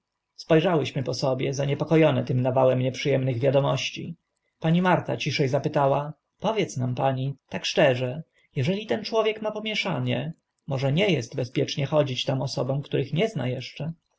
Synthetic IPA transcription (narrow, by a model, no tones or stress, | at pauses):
spɔjʐawɘɕmɘpɔsɔbʲjɛzaɲɛpɔkɔjɔnɛt̪ɘmnavawɛmɲɛpʂɘjɛmnɘɣvʲjad̪ɔmɔɕt͡ɕḭ | paɲimaɾt̪a̰t͡ɕiʂɛjzapɘt̪awa | pɔvʲjɛt̪snampaɲit̪akʂt͡ʂɛʐɛ | jɛʐɛlʲit̪ɛnt͡ʂwɔvʲjɛkmapɔmʲjɛʂaɲɛ | mɔʐɛɲɛjɛst̪bɛspʲjɛt͡ʂɲɛxɔd͡ʑit͡ɕt̪amɔsɔbɔ̃mkt̪uɾɘxɲɛzna̰jɛʂt͡ʂɛ